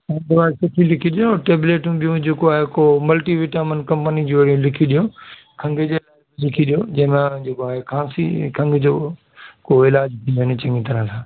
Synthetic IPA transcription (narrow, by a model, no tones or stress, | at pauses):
ɐ̃nd̪ʋaːsʊʈʰilɪkʰiɗijoʈeːbleːʈũɓijũd͡ʑeːkoaːɦekomɐlʈiʋɪʈaːmənkɐ̃mpənid͡ʑoɐɽiũlɪkʰiɗijo | kʰɐ̃ŋɡəd͡ʑelaːblɪkʰiɗijod͡ʑɐ̃ɦɪ̃mẽd͡ʑeːkoaːɦekʰãːsḭkʰɐ̃ŋɡd͡ʑoː | koɪlaːd͡ʑtʰĩoɦɪnɪt͡ɕɐ̃ŋɡĩt̪ɐɾə̃t̪ʰãː